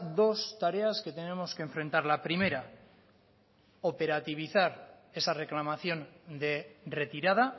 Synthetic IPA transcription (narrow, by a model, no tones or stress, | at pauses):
d̪o̞st̪aɾe̞aske̞t̪e̞ne̞mo̞skeːɱfɾe̞nt̪aɾlapɾime̞ɾa | o̞pe̞ɾat̪iβ̞iθaɾ | e̞sare̞klamaθjo̞nd̪e̞re̞t̪iɾað̞a